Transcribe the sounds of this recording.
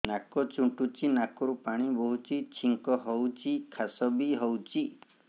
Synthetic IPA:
nakɔt͡ʃuʈut͡ʃinakɔɾupaɽ̃ibɔɦut͡ʃit͡ʃʰiŋkɔɦɔwt͡ʃikʰasɔbiɦɔwt͡ʃi

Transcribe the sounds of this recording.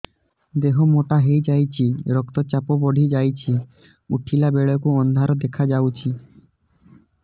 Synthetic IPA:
d̪eɦomoʈaɦejd͡ʒajt͡ʃʰiɾɔk̚t̪ɔt͡ʃapɔbɔɖʱid͡ʒajt͡ʃʰi | uʈʰilabeɭɔkuɔnd̪ʱaɾɔd̪ekʰad͡ʒawt͡ʃʰi

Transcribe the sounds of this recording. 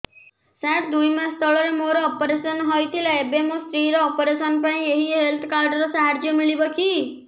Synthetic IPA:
sɛ̃ʈ̚d̪ujmãst̪ʰɔɭɔɾemoɾoːpɾesənɦɔjt̪ʰilaebemosɾiɾɔːpɾesənpãĩeɦiɦelt̪ʰkaɾɖəɾɔsaɦaɾd͡ʒjəmiɭibɔkʰi

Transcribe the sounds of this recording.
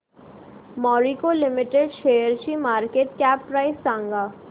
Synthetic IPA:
mɔːɾikolɪmɪʈeɖʃeːjəɾt͡ʃimaːɾkeːʈkɛːpːɾaːɪsːãːŋɡaː

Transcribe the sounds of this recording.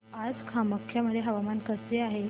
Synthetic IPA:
ad͡zkʰaməkʰːjaməd̪ʱjeɦəʋamankəseaɦe

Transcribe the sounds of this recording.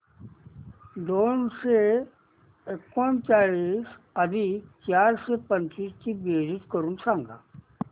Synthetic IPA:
d̪onse | ekont͡ɕaɭiːs | əd̪ʱit͡ɕjaɾsepəɲt͡ɕiːst͡ɕiːbed͡ʑit̪kəɾuːnsãŋɡa̰

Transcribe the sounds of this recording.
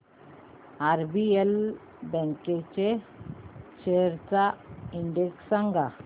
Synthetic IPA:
aɾbiel | bɛ̃ŋket͡ɕe | t͡ɕeɾt͡saiɳɖeksaŋɡa

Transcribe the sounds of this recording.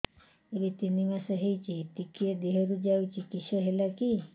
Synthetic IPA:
elit̪inimasəɦejt͡ʃit̪ikied̪eɦeɾud͡ʒawt͡ʃikiʃɔɦelaki

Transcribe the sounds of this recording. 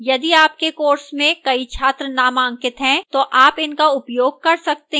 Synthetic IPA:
jɐd̪iaːp̚kekoːɾsmẽkɐit͡ʃʰaːt̪ɾənamãːŋkɪt̪ɦɛ̃t̪oʔaːpɪnkaʊpjoːɡ̚kɐɾsɐkt̪ẽ

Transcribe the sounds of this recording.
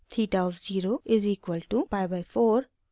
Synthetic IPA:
t̪ʰiːʈaɔfziːɾoɪziːkwəlʈupaɪbaɪfoːɾ

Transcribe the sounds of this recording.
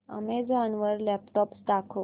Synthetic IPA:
ə̰med͡zanʋəɾlɛpʈɔpsɖakʰo

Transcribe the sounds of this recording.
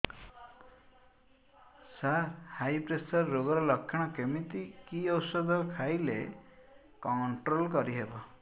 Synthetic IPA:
saɾhajpɾesɔɾːoɡɔɾɔlɔkʰːjɔɽ̃ɔkemit̪ikiɔwsɔd̪ʱɔkʰajle | kɔɳʈɾolkɔɾiɦebɔ

